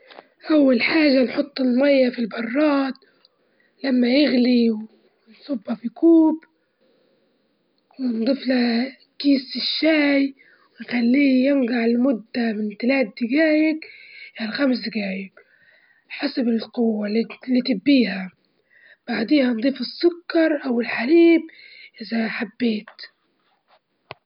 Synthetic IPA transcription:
ʔawːalħaːʒanħʊt̪ˤːɪlmajːafilbɑrˤːɑːt̪̚ | lamːajɪɣli | nsˤʊbhafikuːb | wɪnd̪ˤiːfla | kiːsɪʃːaːj | wɪnxalːiːjɪnɡaʕɪlmʊd̪ːamɪnt̪alaːt̪̚d̪ɪɡaːjɪkʔɪalxams̬d̪ɪɡaːjɪk | ħasabɪlqʊwːalːiːt̪ɪbːiːha | b̥aʕd̪eːhand̪ˤiːfɪsːʊkːɑɾˤʔawɪlħaɾiːb | ʔɪzaħabːeːt̪

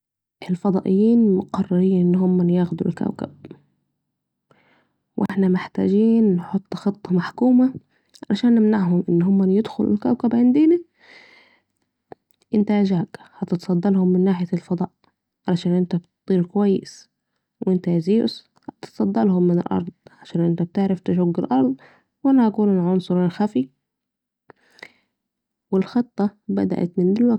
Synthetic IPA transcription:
ʔɪlfɑd̪ˤɑːʔɪjːiːnmʊqɑrˤːɑɾiːnʔɪnːhʊmːænjaːxd̪ṵlkæ̰wkæ̰b̥̚ | wʔḛħnæmɪħt̪æ̰ːd͡ʒiːnːħot̪ˤːxet̪ˤːɑmaħkuːma | ʕalæʃæːnːɪmnaʕɦʊmʔɪnːɦʊmːænjed̪xʊlɪ̰lkæwkæbʕend̪ɪnæ | ʔɪnt̪æʔʒaːɡhɑt̪ɪt̪sˤɑd̪ːɑlhʊmːɪnːaːħɪjælfɑd̪ˤɑːʔ | ʕalaʃæːnʔɪnt̪æbt̪t̪ˤːiːɾkowæjːɪs | wʔɪnt̪æziːʊ̰s | hɑt̪ɪ̥t̪sˤɑd̪ːɑlhʊmːɪnɪlʔɑ̰ɾˤd̪̚ˤʕaʃæːnʔɪnt̪æb̚t̪eʕɾɪft̪ɪʃoɡːɪlʔɑɾˤd̪ˤ | wʔanæʔækuːlʊlʕonsˤʊɾɪlxæfi | wɪlxɨt̪ˤːɑbæ̰d̪æ̰ʔæ̰t̪mɪnd̪ɪlwæ

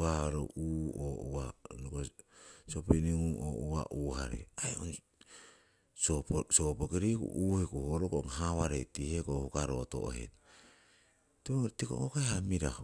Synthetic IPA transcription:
aɾo̰uouanokosopiniŋuo̰ua̰ʔuːhaɾḛaeon | sopsopokiɾikṵʔuːhekuhoɾokoŋɦaβaɾetihekohukaɾoto̰ʔo̰hḛt | teotiko̰okaehamiɾa

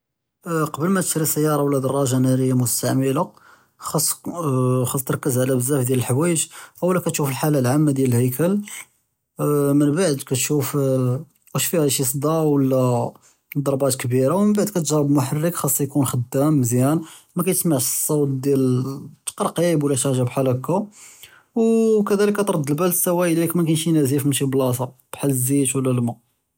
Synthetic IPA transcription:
qɑbəlmæt̪ə̥ʃɾisəjːɑɾˤɑwəlːæd̪ɑrˤːɑʒanæɾəjːamʊst̪aʕməla | xɑsˤː | xɑsˤt̪əɾkːəzʕlæbəzːæfd̪jæləlħwæjəʒʔwəlːækæt̪ʃufəlħalalʕamːad̪jæləlhəjkəl | mənbaʕd̪kæt̪ʃuf | ʔæʃfihæʃisˤd̪ˤɑwəlːæ | d̪ˤɑɾˤbɑt̪kbiɾawmənbaʕd̪̚kæt̪ʒɑɾˤəbmʊħarːəkxɑsˤːjkunxəd̪ːæmːəzjænmækæjt̪əsmaʕʃsˤːɑwt̪̚d̪jælt̪ːqɑɾˤqibwlːæʃæʒabħalæku | wkæd̪æləkːæt̪ɾˤɑd̪ːəlbælt̪sæwæʔlikmækænʃinæzifmənʃiblɑsɑb̥ħalzit̪wəlːælmæ

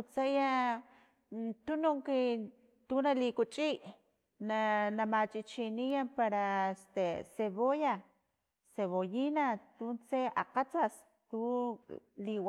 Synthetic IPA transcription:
ut͡saja | t̪unuŋke | t̪unalikut͡ʃʼiʔ | nanamat͡ʃʼit͡ʃinijapaɾaest̪eseβoja | seβojinat̪unseaqat͡sas | t̪u | liwa

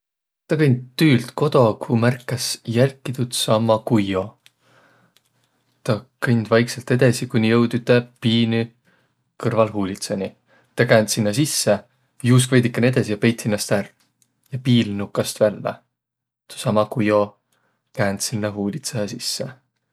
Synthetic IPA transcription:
t̪ɑkɤnʲd̪̚t̪ːyːlt̪ko̞d̪̥o̞kʰumærkːˑɑsjælkːˑit̪ut̪sɑmːɑkujo̞ | t̪ɑkɤnʲd̪̥vɑjkselt̪e̞d̪esikunʲijɤwd̪it̪ːɑpiːny | kɤrvɑlɦuːlʲit̪sɑnʲi | t̪ɑkæːnsinːɑs̬isːe | juːs̬kvejd̪ikːˑɑnʲie̞d̪̥esijɑpe̞jt̪sinːɑst̪ær | jɑpiːlnukːˑɑst̪vælːḛ | t̪u̥sɑmɑkujo̞ | kæːnd̪sinːɑɦuːlʲit̪sɑɑsisːe

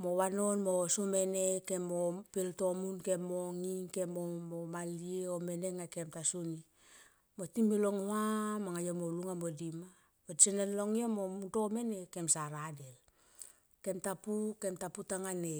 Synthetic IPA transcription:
mowano̞nmosome̞nekemopilto̞munkemoŋike̞momomalieome̞neŋakemtasuni | motimiloŋoamaŋajomoluŋamodima | modsenenloŋiomomuto̞me̞ne̞ke̞msaɾadel | ke̞mtapuke̞mtaputaŋane

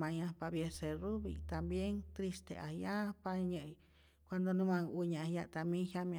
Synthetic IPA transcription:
mãjãpabjeserubḭt̪ambjeŋt̪ɾist̪ḛʔahjapaɲə̃j | kʷand̪onũmãŋuɲãjaʔt̪amĩhjamjã

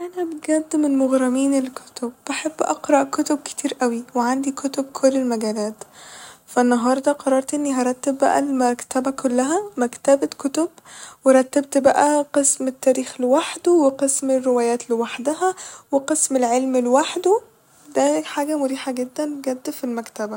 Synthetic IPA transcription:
ʔænæbeɡæd̪ːmenmoɣɾˤɑmiːnelkʰo̥t̪ob̥ːaħebːʔɑqɾˤɑʔkot̪ob̚ke̥t̪ʰiːɾʔæwiweʕand̪ikot̪ob̚kʰolːelmæɡæːlæːt̪fænːɑɦɑːɾˤd̪æqɑrˤːɑɾˤt̪ʔenːiɦæɾˤɑt̪ːebːæ̰ʔæ̰lmækt̪æbækʰolːæɦæmækt̪æbækʰot̪obweɾˤɑt̪ːæb̚t̪bæʔæqesmet̪ːæːɾiːxlwaħd̪uweqesmerːewæːjæːt̪liwaħd̪æhæweqesmelʕelmelwaħd̪u | d̪æħaːɡæmoɾiːħɑɡed̪ːænɡæd̪ːfilmækt̪æbæ

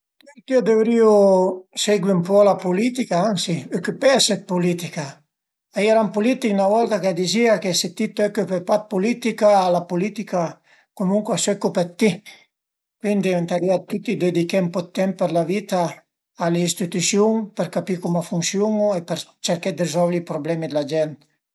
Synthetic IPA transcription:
t̪iod̪evɾioseɡwiumpɔlapolit̪ikaaŋsiøkøpɛasɛt̪̚polit̪ika | aiɛɾampolit̪iknavɔlt̪akad̪iziakeset̪ːit̪ːɛkːøpepat̪̚polit̪ikaːlapolit̪ika | komuŋkwasɛkːopɛt̪ːi | kwind̪ient̪aɾiat̪ːut̪ːid̪ed̪ikɛmpɔt̪ːɛmppeɾlavit̪aː | leist̪it̪usjuŋpeɾkapikumafunsjuŋoepɛɾt͡ʃeɾkɛd̪eɾizɔlvɾipɾoblɛmid̪elad͡ʒɛnt̪

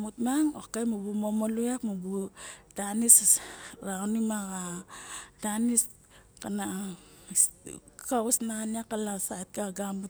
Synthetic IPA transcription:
mutmaŋokajmubumomoluakmubudanisɾanimaɡa | danis | kana | skausnaniakalasaet̚kaɡamut

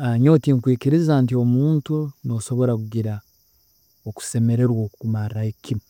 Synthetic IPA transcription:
aɲo̞ːtiŋkwiːciɾizantio̞muːntunioːso̞βo̞ɾak̬uɡiɾa | oku̥se̞me̞ɾe̞ɾwoːkukumarahikimu

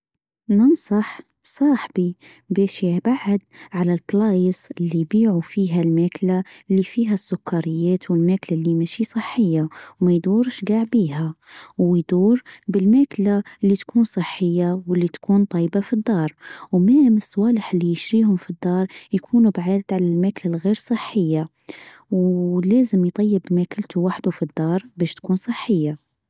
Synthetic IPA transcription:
nɑnsˤɑħ | sˤɑːħbi | bɛːʃjabaʕːad̪ʕalalblɑːjsɪlːijbiːʕufiːɦalmæːklalːifiːɦasːʊkʰːɑɾɪjːæːt̪wɪlmæːklalːimæʃisˤɨħːɪjːawmæjd̪uːɾʃɡaʕbiːhawjd̪uːɾbɪlmæːklalːit̪kʰuːnsˤəħːəjːawəlːit̪kʰuːnt̪ˤɑjbafid̪ˤːɑːɾˤwmæmsˤːwɑləħəlːijəʃɾiːhʊmfid̪ːɑːɾˤjkʰuːnubʕaːd̪ʕalælmæklalɣiɾsˤəħːəjːa | wlæːzəmjt̪ˤɑjːəbmækəlt̪ʰuwaħd̪ufid̪ːɑːɾˤbæʃt̪kuːnsˤəħːəjːa

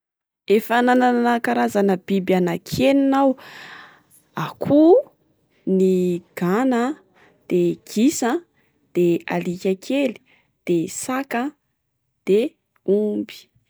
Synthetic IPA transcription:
efananananakaɾazanəb̥ibanakʰeninaw | akʰu | niɡ̥anə | d̪̥eɡ̥isə | d̪̥ea̰likʲakʰeli̥ | d̪̥esakə | d̪̥e | umbi̥

